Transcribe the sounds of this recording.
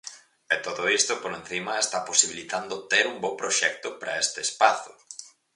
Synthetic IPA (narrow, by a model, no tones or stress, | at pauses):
ɛt̪oðoist̪ʊpoɾẽn̟θimɐest̪aposiβilit̪and̪ʊt̪eɾumbowpɾoʃɛk̚t̪ʊpɾɐest̪eːspaθʊ